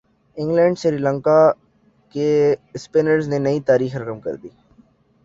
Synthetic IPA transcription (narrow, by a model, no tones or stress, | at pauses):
ɪ̃ŋɡlɛ̃ːɳɖʃɪɾiːlə̃ŋka | kespeːnəɾznenɐit̪aːɾiːxɾɐkəmkə̰ɾd̪iː